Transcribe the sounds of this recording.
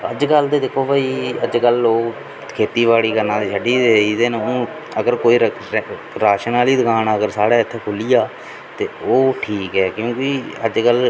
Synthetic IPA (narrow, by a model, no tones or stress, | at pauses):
ə̰d͡ʒkəld̪eːd̪ekʰoːbaːiːəd͡ʒkəloː | kʰeːt̪iːʋaːɽiːkəɾnãːt̪eːʃʰəɖiːd̪eːiːd̪eːnõː | əɡəɾkoːiː | ɾaːʃənaːliːd̪əkaːnaːəɡəɾsaːɽaːɪt̪ʰːeːkʰʊlijaː | t̪eːoːʈʰiːkɦɛːkjõːkɪə̰d͡ʒkəl